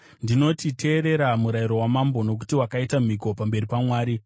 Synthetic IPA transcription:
ndino̞titʰe̞ːɾe̞ɾamuɾaiɾo̞wamambo̞no̞k̬u̥tiwakaitam̤iko̞pambe̞ɾipamwaːɾi

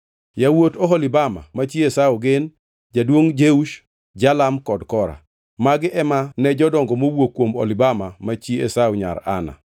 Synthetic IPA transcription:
jawotoɦɔlɪbama̰mat͡ʃiesauɡɪn | d͡ʒadwoŋd͡ʒeuʃ | d͡ʒalamkɔdkɔɾa̰ | maɡɪʔɛmanɛd͡ʒɔdɔŋɡɔmowokwomo̰lɪbamamat͡ʃiesawɲa̰ɾa̰na̰

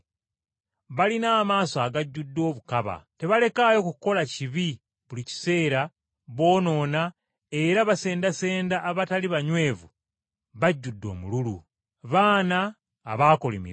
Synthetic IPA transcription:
βalinaːmaːsoaːɡaɟːudːo̞ːβukaβa̰te̞βale̞kajo̞kuko̞laciβi | βulici̥se̞ːɾa | βo̞ːno̞ːna | e̞ɾaβase̞ːndase̞ːndaʔːβataliβaɲwe̞ːvu | βaɟːudːo̞̰ːmululṵ | βaːnaː | βaːkolḭmḭɾ

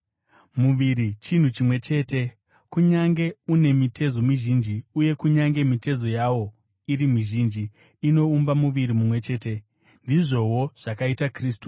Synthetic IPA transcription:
muʋiɾit͡ʃin̤ut͡ʃimwe̞t͡ʃe̞ːte̞ | kuɲaŋɡe̞une̞mitʰe̞zo̞miʒind͡ʒiuje̞kuɲaŋɡe̞mite̞zo̞jawo̞ | iɾimiʒind͡ʒiː | no̞umbamuʋiɾimumwe̞t͡ʃe̞ːte̞ | ndiʐo̞wo̞ʐ̥akaitakriːs̬tu̥

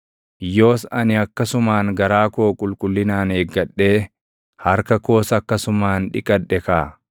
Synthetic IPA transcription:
jo̞ːsɐnɪɐkːɐsʊmaːŋɡɐɾaːkoːkʼʊlkʼʊlːɪnaːneːɡːɐᶑːe̞ː | hɐɾkɐko̞ːsɐɐkːɐsʊmaːnᶑɪ̰kʼɐᶑːɛkaː

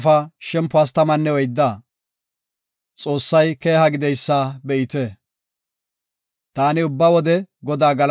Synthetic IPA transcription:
fɐʃɛmpːʊaːs̬t̪ɐmɐnːɛwɔjd̪ːaː | t͡sʼo̞ːsːɐjke̞ːɦɐɡɪd̪ɛjsːaːbɛʔɪt̪ɛ | t̪aːnɪʊbːɐwɔd̪ɛɡɔd̪aːɡɐl

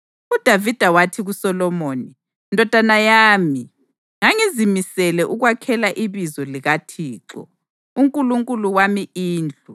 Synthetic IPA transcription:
ud̥ʱavid̥ʱawatʰiɣusɔlɔmoːni | ndʱɔd̥ʱanajaːmi | ŋaŋizimisɛlɛʔuɣwakʰɛlaʔiβizɔliɣatʰiːǁɔ̰ | uŋkʼuluŋkʼuluwamiiːnd͡ɮʱu

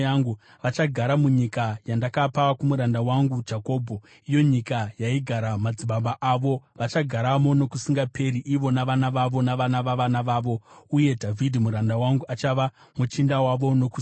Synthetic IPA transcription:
aŋɡu | ʋat͡ʃaɡʱaɾamuɲikajandakapawakumuɾandawaŋɡud͡ʒako̞ːbʱo̞ | ijo̞ɲikajaiɡʱaɾamad͡ziɓaɓaʔaʋo̞ʋat͡ʃaɡʱaɾamo̞no̞kusiŋɡape̞ɾiʔiʋo̞naʋanaʋaʋo̞naʋanaʋaʋanaʋaːʋo̞uje̞dʱavʱidʱimuɾandawaŋɡuʔat͡ʃaʋa | mut͡ʃindawaʋo̞no̞ku

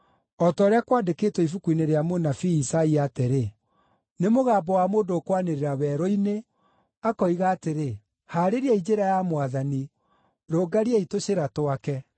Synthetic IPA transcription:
ɔtɔːɾeakwandekeːtwɔifukwineɾeamonafiːsaiateɾe | nemoɣaːbɔwamoːndoːkwaneɾeɾawɛɾɔine | akɔiɣaːteɾe | haːɾeɾiaid͡ʒeɾajamwaðani | ɾoɡaɾiaitoɕeɾatoakɛ

